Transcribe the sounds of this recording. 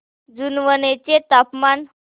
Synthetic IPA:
d͡zunʋənet͡ɕet̪apman

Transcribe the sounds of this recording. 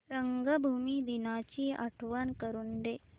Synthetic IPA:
ɾəŋɡəbʱumiːd̪inat͡ɕiːʔa̰ʈʰʋankəɾund̪eː

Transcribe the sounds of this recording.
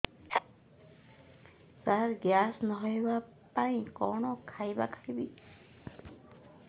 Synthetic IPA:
saɹɡjasnɔɦɔjba | paĩkɔɳɔkʰajbakʰḁibi

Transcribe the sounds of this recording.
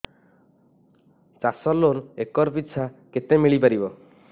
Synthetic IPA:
t͡ʃasɔloɾekɔɾpit̪ːsʰaket̪emiɭipaɾibɔ

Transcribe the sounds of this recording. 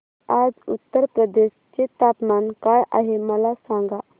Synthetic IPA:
ad͡zṵt̪ːəɾpɾəd̪eɕt͡ɕet̪apmankajʔa̰ɦeməlasaŋɡa

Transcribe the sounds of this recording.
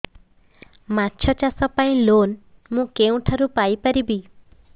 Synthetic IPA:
matːt͡ʃʰɔt͡ʃasɔpaĩlonmũkeũʈʰaɾupajpaɾibi

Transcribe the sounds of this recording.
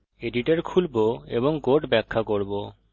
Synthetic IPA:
eɖiʈeɾkʰulboḛboŋkoʈbɛkʰːakoɾbo

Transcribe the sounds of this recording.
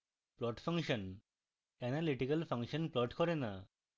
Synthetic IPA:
plɔʈfʰaŋʃɔn | ɛnaliʈikalfʰaŋʃɔnplɔʈkɔɾena

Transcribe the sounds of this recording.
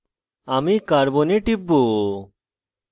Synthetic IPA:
amikaɾboneʈibːo

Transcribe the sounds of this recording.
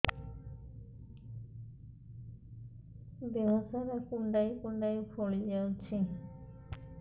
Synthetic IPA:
beɦɔsaɾakuɳɖajukuɳɖajupʰoɭid͡ʒawt͡ʃʰi

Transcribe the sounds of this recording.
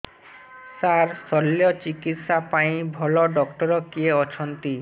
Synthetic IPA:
saɾsɔlːjot͡ɕikit̪ʃapaj̃bʱɔloɖɔkʈɔɾokieɔt͡ɕʰont̪i

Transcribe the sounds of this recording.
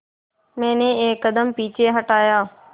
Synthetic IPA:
mɛ̃ːnẽːeːkːəd̪əmpiːt͡ʃeːɦəʈaːjaː

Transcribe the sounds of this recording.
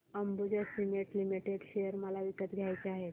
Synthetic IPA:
əmbud͡ʑəsimiʈlimiʈeɖɕejəɾməlaʋikət̪ɡʱjajt͡seaɦet̪

